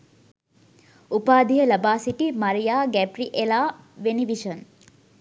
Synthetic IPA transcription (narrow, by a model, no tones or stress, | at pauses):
upaːd̪ijəlɐbaːsiʈimɐɾijaːɡæpɾiʔelaːʋeniʋiʃən